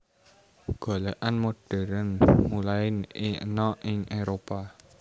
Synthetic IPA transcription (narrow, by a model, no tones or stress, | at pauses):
ɡ̥o̤leʔanmoɖ̥ɛ̤ɾənmulaɪnɪə̰nɔʔɪŋʔeɾopa